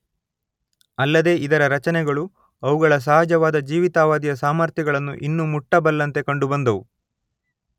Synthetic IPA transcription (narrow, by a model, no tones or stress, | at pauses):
ɐlːɐd̪e̞ːid̪ɐɾɐɾɐt͡ʃɐnɛɡɐɭu | ɐʋuɡɐɭɐs̬ɐːɦad͡ʒɐʋaːd̪ɐd͡ʒiːʋit̪aːʋaːd̪ijɐsaːmɐɾt̪jɐɡɐɭɐnːuʔinːumuʈːɐbɐlːɐnt̪e̞kɐɳɖubɐnd̪ɐʋu